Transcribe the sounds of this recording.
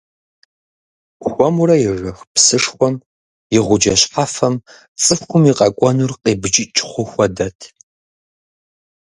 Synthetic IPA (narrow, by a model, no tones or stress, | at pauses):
xʷɔmurɐjɪʐɐxpsɨʂxʷɔm | jɪʁʷʊd͡ʒɐɕħafɐm | t͡sʼɨfxʷʊmiqʼɐkʷʼɔnurqʼeːbɨd͡ʒɪt͡ʃʼχʷʊxʷɐdɐtʰ